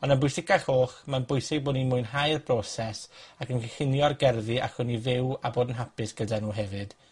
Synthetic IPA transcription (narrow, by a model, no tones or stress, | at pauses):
ɔnənbʊɨsɪkaɬoːχmanbʊjsɪɡ̚boːdnimʊɨnɦajrbrɔsɛsakənkʰəχɪnjɔrɡɛrðɨʔa̰kwɪnivɪwaboːdənɦapɪsɡ̥ədanuːɦɛvɨd̥